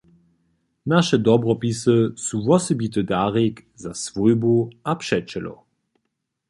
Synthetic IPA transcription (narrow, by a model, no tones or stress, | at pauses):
naʃədɔbʁɔpisəsuvɔsəbitədaːʁekzasv̥ojboapʃɛt͡ʃəlɔ̰